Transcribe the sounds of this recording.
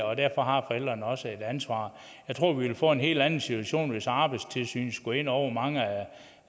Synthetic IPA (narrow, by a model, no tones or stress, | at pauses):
ɒ̽d̥æɐ̰fɒ̽ɦɑ̈fɒ̽el̰d̥ʁɐnəɒ̽səe̝d̥ænsʋɑ̰̈ː | jɑ̈ɪt͡sʰʁo̝ɐ̰ʋiʋelfɔ̰̽ːe̝nɦe̝̰ːld̥ænn̩sit͡sʰuæɕo̝̰ːnʋe̝sɑ̈ːb̥ɑ̈ɪdst͡sʰe̝lsy̰ːn̩sɡ̥ue̝n̰ɒʊ̰ɐmɑ̈ŋəæ